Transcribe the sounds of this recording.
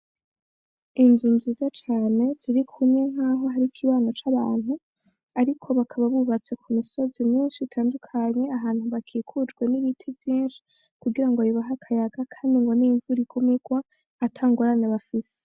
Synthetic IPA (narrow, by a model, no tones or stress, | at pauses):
inzunziːzat͡ʃaːne̞z̥iɾikʰumɲe̞ŋ̥aːɦo̞ɦaɾikʰiβaːnot͡ʃaβaːnhu | aɾikʰo̞βakʰaβaβuβat͡se̞kʰumiso̞zimɲiːnʃitʰaːndukʰaɲe̞aɦaːn̥huβakʰiːkʰud͡ʒɡwe̞niβitʰivjiːnʃi̥ | kuɡiɾaŋɡojuβaɦakʰajaɡakʰaːndiŋɡo̞niɱvuɾiɡumiɡ̥waː | tʰaːŋɡoɾaneβafise̥